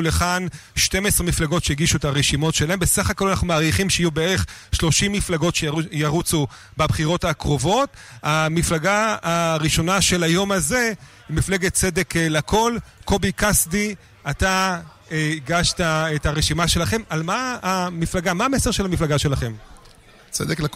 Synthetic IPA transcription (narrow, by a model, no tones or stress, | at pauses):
leχanʃte̞mesʁemiflaɡo̞tʃeiɡiʃuetaʁeʃimo̞tʃelahembesaχako̞lanaχnumaːʁiχimʃejajubeeʁe̞χʃlo̞ʃimːiflaɡo̞tʃejaʁut͡su | babχiʁo̞thakʁo̞vo̞tamiflaɡaaʁiʃo̞naʃe̞lajo̞maze̞ | imifleɡet̚t͡se̞deklako̞lko̞bikasdi | ata | ɡaʃtaetaʁeʃimaʃe̞laχe̞malmaːmiflaɡamaːmeseʁʃelamiflaɡaʃe̞laχe̞m | t͡sḛd̪eklak